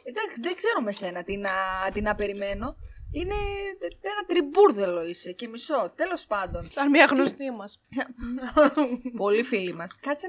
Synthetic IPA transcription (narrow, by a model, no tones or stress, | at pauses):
ed̪ɐksiðeɡze̞ɾomese̞nɐt̪inɐt̪inɐpe̞ɾime̞no̞ine̞enɐt̪ɾibuɾðelo̞ise̞ce̞miso̞t̪e̞lo̞spɐnd̪o̞nsɐnmɲɐɣno̞st̪imɐssɐn | po̞lifilimɐskɐt͡s